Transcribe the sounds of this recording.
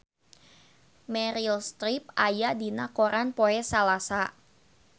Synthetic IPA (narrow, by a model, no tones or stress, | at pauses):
mɛɾilst̪ɾip̚ajadinakoɾanpoɛsalasa